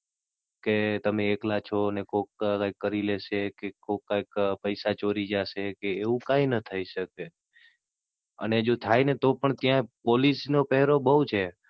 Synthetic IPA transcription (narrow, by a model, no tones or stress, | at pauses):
ket̪əmeːklat͡ʃʰonekokkajkːəɾileʃekekokːajkpəjsat͡ʃoɾid͡ʒaʃekeːʋũkainət̪ʰəiʃəke | ə̰ned͡ʒot̪ʰajnet̪opəɳt̪jãpolisnopɛɦɾobəut͡ʃʰe